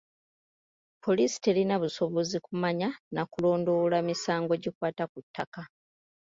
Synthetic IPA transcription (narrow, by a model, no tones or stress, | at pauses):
pʰo̞lisi̥te̞linaβuso̞βo̞zikumaɲanakulo̞ːndo̞lamisaːŋɡo̞ɟikwaːtakutːaka